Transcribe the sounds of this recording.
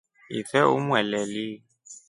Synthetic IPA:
ɪfɛʊmwɛlɛlɪ

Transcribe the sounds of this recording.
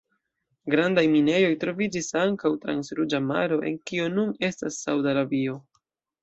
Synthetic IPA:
ɡɾandajmine̞jo̞jtɾo̞vid͡ʒisaŋkawtɾa̰nsɾud͡ʒama̰ɾo̞ʔe̞̰ŋkio̞nune̞stasːawdaɾabio̞

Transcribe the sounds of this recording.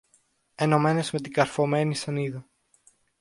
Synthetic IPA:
e̞no̞me̞ne̞zme̞t̪iɡɐɾfo̞me̞nisɐniðɐ

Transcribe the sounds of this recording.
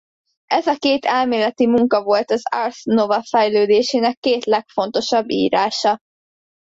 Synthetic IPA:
ʔɛzɒkeːt̪ʰɛlmeːlɛt̪imuŋkɒvo̞lt̪ɒzarsnovɒfɛjløːd̪eːʃeːnɛkːeːt̪lɛkfo̞nt̪o̞ʃɒbːḭːɾaːʃɒ

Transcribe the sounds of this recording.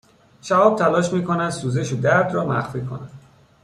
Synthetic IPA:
ʃæɒːb̥̚t̪ʰælɒːʃmiːkʰonæd̪suːze̞ʃod̪æɾd̪ɾɒːmæ̰xfiːkʰo̰næd̪

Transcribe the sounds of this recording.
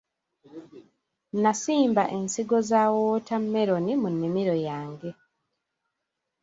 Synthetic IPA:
nasiːmbaʔensiɡo̞zaːwoːtamːe̞ɾonimunːimiɾo̞jaːŋɡe

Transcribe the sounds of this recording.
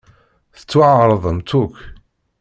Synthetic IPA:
θə̥t͡sːwaʕɾˤəðˤəmt̪uk

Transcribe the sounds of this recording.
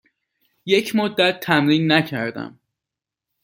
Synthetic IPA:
je̞cʰmod̪ːæt̪ʰːæmɾiːnːæcʰæɾd̪æ̰m

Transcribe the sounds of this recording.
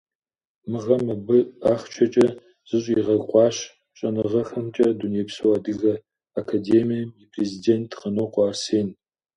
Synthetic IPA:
mɨʁɐmɐbɨaːχt͡ʃʰɐt͡ʃʼɐ | z̥ɨɕʷʼiʁɐɡqʷʼɑːɕ | ɕʼɐnɨʁɐxɐmt͡ʃʼɐduneːpsɨwadɨɣɐ | akʰadeːmijɐmipʰrezideːntʰqɐnoːqʷɑːrseːn

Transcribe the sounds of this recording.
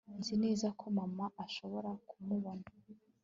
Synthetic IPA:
nzine̞ːzakʰo̞mamaʔaʃo̞βo̞ɾakumuβona

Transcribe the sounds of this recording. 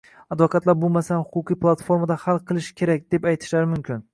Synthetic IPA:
ad̪vɒkʰat̪laɾbolˠmasanhʊqʰʊqʰijpʰlˠat̪foɾmad̪ahalˠqʰɨlˠɪʃkʲʰe̞ɾak̚ʲd̪e̞pajt̪ʰɪ̥ʃlaɾɪmʊmkʲʰɪn

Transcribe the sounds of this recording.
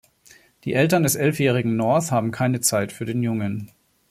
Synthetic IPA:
d̥ḭːʔɛltɐndɛsʔɛlfjɛːʁ̞ɪɡŋ̩nɔɐθhaːbm̩kʰaɪnət͡saɪtfyːɐdeːnjʊŋən

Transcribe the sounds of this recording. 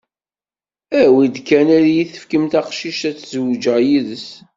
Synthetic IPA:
æwid̪kænæɾjiθə̥fkəmt̪æqʃiʃæt͡sːzwd͡ʒæjiðəs

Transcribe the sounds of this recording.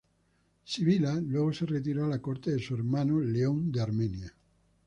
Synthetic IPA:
siβilalweɣ̞oseret̪̬iɾoalakoɾt̪eðesueɾmanoleond̪eaɾmenja

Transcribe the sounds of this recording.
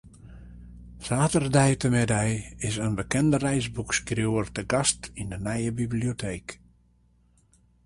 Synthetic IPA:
saːtərdɛjtəmɛdɛjɪsənbəkɛndərɛjsbukskrjuərtəɡastindənɛjəbibliotʰeːk

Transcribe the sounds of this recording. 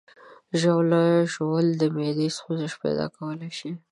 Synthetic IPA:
ʒawlɑjʒowəld̪əmed̪est̪unzɪʃpa̰jd̪ɑ̰kawəlajʃi

